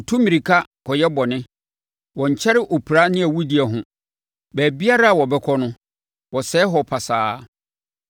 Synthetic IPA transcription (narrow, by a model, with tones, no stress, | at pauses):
tʰũ˦mĩ˨ɾi˨kʰa˦kʰɔ˨jɛ˦bɔ˨nɪ̃˦ | wɔ̃˨ɲ̩˨t͡ɕʰɛ˦ɾɪ˦ʔo˨pʰi˨ɾa˦nɪ̃˦æ˨wu˦di˨˦ɛ˨ɦʊ̃˨ | bæː˨bi˦a˦ɾa˦a˨wɔ˨bɛ˦kʰɔ˦nʊ̃˦ | wɔ˨sɛː˦ɦɔ˨pʰa˨saː˨˦